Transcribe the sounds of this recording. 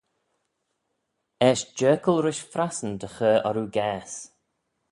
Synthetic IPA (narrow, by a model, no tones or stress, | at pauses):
ɛʃd͡ʒɜːkəlˠɾɪʃfɾasənd̪əxəːɔɾuːɡɛːs